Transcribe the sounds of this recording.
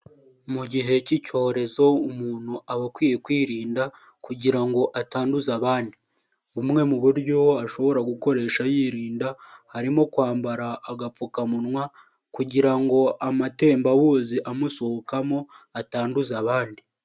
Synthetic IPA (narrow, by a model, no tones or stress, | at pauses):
muɟiɦe̞cico̞ːɾe̞zo̞umuːn̥huaβakwiːjekwiːɾiːnda | kuɟiɾaŋɡo̞ʔataːnduzaβaːndi | βumŋe̞muβuɾɟo̞aʃo̞βo̞ɾaɡuko̞ɾe̞ːʃajiːɾiːndahaɾimo̞kwaːmbaɾaːɡafukamunŋwa | kuɟiɾaŋɡo̞amate̞ːmbaβuːziʔamusohokamo̞ataːnduzaβaːndi